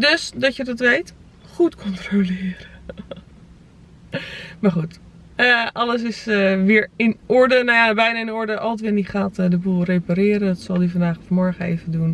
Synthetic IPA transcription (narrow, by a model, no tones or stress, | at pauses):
døsdɔtjədɔtʋejt | χutkʰɔntrolɪːɾə | maɹχut | əʔɑləs̬ɪsʋɪɹɪnʊɹdənajabɛjnaɪnʊɹdəʔɔlətʋɪːniχaːtdəbulˠrepaɾɪːɾəndɔtsɔlˠdifandaːxfmɔɹɣəḛːvədun